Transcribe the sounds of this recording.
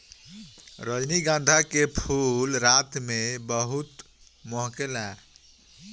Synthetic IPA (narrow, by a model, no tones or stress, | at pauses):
ɾəd͡ʒniɡãnd̪ʱakepʰulɾat̪mebəɦut̪ | moɦkelaɾ